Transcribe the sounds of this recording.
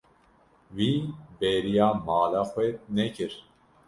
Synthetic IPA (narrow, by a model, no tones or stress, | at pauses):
wiːbeːɾijaːmɑːlaxʷwɛnɛkʰɨɾ